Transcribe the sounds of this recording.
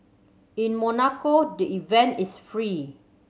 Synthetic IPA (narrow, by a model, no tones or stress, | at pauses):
ĩnmɔnakodəʔivɛ̃ntisfɹi